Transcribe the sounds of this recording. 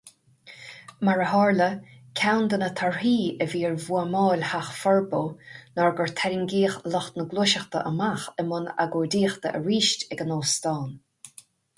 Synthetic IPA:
maɹəɦɑːɹləkʲʰawnd̪ənət̪ʰaɹhiːəviːɹvuamɑːlʲhaxfɔɹboːnɔɹɡəɹt̪ʰɛɾiŋɡiːxlɔxt̪nəɡloːʃəxt̪ə̰ʔəmaxəmʊna̰ɡoːd̪iːxt̪əʔəɹiːʃtɛɡənoːst̪ɑːn

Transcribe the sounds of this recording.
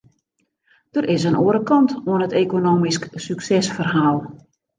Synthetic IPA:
d̥ərɪsənuəɾəkɔntoənətekonoːmisksyksɛsfərɦaːlˠ

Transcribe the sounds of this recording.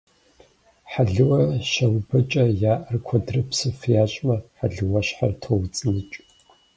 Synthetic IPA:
ħaɮɨwɐʃɐwbɐt͡ʃʼɐjaːʔɐrkʷʰɐdrɨpʰsɨfjaːɕʼmɐħaɮɨwɐɕħartʰowt͡sʼɨnɨt͡ʃʼ

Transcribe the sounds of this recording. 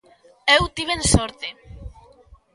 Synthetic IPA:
ewt̪iβensɔɾt̪e

